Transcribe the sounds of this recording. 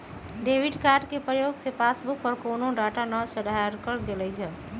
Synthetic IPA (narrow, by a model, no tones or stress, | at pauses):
ɖeːʋɪɖkaːɾɖkepɾəjoːɡsepaːsbʊkɔɾkoːnõɖaːʈanɔsəd̪aɾkəɾɡeleɡaː